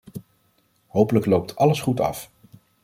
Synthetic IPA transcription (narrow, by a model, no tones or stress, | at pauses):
ɦowpələklowp̚tʰɑləsχutɑ̰f